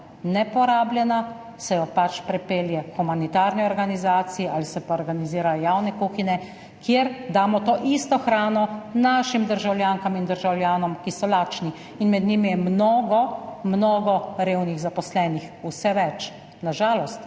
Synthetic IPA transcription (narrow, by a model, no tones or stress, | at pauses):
nɛpɔɾaːbljɛna | sɛjɔpat͡ʃpɾɛpeːljɛxumanit̪aːɾniɔɾɡanizaːt̪siɛʔalisɛpaɔɾɡaniziːɾajɔjaːwnɛkuxinɛ | kjeɾd̪aːmɔt̪oːʔist̪ɔxɾaːnɔnaːʃimd̪əɾʒawljaːŋkamind̪əɾʒawlʲjaːnɔmkisɔlaːt͡ʃni | inmɛd̪nimijɛmnoːɡɔmnoːɡɔɾeːwniɣzapɔslɛːnix | usɛʋɛt͡ʃ | naʒaːlɔst̪